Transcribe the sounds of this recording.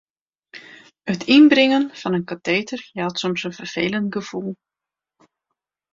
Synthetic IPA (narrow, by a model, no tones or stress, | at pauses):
ətʰinbrɪŋənfɑnənkateːtərjɛtsomsənvərv̥eːləntɡəv̥ulˠ